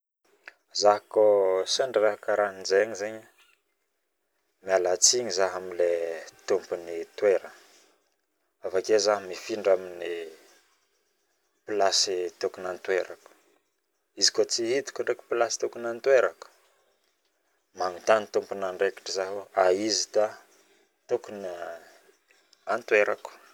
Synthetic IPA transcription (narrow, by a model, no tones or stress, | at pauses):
zaɦkosaɳɖ͡ʐɾakaɾanzeaɲizeɲa | mialat͡siɲizaɦamilet̪umpunit̪weɾə | avakezaɦmifiɳɖ͡ʐamini | pilasit̪ukunant̪weɾaku̥ | izi̥kot͡siɦit̪u̥kuɳɖ͡ʐeku̥pilasi̥t̪ukunant̪weɾaku̥ | maŋut̪anit̪umpunaɳɖ͡ʐeki̥ʈ͡ʂizaɦoaizid̪a | t̪ukuni | ant̪weɾaku̥